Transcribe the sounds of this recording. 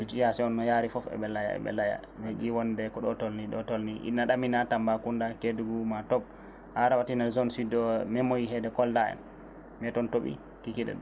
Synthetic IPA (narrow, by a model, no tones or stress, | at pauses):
bit͡ʃijasɛɔnːɔjaɾifɔfɛ̰ɓɛlaja̰ɛ̰ɓɛ̰laja̰ | mɛɡiwɔndɛkɔɗɔtolniɗɔtolniʔḭnaɗaminatambakundakeduɡumatɔb̚ | haɾawatinazɔnsidɔmɛmɔjiɦɛdɛkɔldaɛ̰n | mɛtɔntoɓḭ | kikiɗɛ̰ɗ